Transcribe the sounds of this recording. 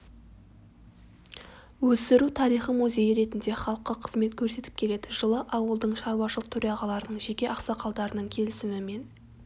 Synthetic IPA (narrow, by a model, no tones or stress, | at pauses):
wɵst̪ɪɾut̪ʰɑɾijχəmuzʲe̞jəɾe̞t̪ɪnd̪e̞χɑlˠəqːɑqʰə̥zme̞t̪kʲʰɵɾse̞t̪ɪp̚kʲʰe̞le̞d̪ɪʒəlˠəʔɑwəlˠd̪əɴʃɑɾuwɑʃəlˠəq̚t̪ʰɵɾjɑʁɑlˠɑɾənəɴʒekʲe̞ʔɑqsɑqʰɑlˠd̪ɑɾənəɴkʲʰe̞lɪsɪmɪme̞n